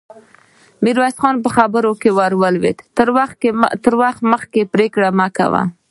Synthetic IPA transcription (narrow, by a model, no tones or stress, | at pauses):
miɾwasxɑnp̬əxabəɾokewaɾwəlwḛt̪əɾwat̪əɾwaxt̪məx̚kepɾekɽamaka̰wa̰